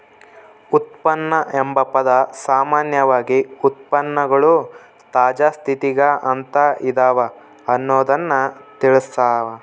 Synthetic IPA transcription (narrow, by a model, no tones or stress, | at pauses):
ut̪̚pɐnːɐʔembɐpɐd̪ɐsaːmaːnjɐʋaːɡiut̪̚pɐnːɐɡɐɭu | t̪aːd͡ʒaːst̪ʰit̪iɡɐʔɐnt̪ɐid̪aːʋɐ | ɐnːoːd̪ɐnːɐt̪iɭisaːʋɐ